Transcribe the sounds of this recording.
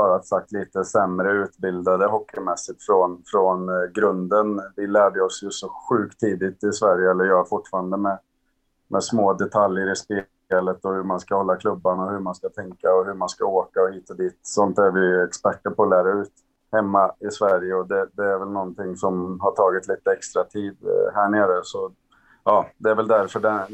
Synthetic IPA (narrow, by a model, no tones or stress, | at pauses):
ɑːɾat̪sak̚t̪liːt̪əsɛmɾəʉ̟ːt̪bɪld̪ad̪əɦɔkːɪmɛsːɪt̪fɾɔnfɾɔnɡɾɵnd̪ənvɪlæːɖəɔsjɵsɔɧʉ̟ːkt̪ʰːiːd̪ɪt̪ɪsvæɾjəɛlːəɾjɑːfʊʈːfɑːɾand̪əmɛ | mʔɛsmoːd̪ɛt̪ʰaljəɾɪspɪ | ɛlət̪ɔhɵɾmanskahɔlːakʰlɵbːanɔhɵɾmanskat̪ʰɛŋkaɔɦɵɾmanskaoːkaɔhiːt̪ad̪iːt̪sɔnt̪æɾvɪɛkspæʈːəɾpʰɔːlæːɾaʉ̟ːt̪ | hɛmːaɪsvæɾjəɔd̪ɛd̪ɛːɾvɛlnɔnt̪ʰɪŋːsɔmɦaʈʰɑːɡɪt̪liːt̪əɛkst̪ɾat̪ʰiːd̪hæɳeːɾəsɔ | ɑːd̪ɛæɾvɛld̪æɾfœɖɛn